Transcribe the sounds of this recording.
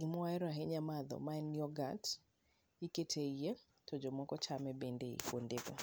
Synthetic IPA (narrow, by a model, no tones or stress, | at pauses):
ɡɪmɔaɛɾaɦeɲamad̪ɔ̰maɛnjɔɡat | iketʰeije | tɔd͡ʒɔmɔkɔt͡ʃamɛbendeḭkwondeɡo̰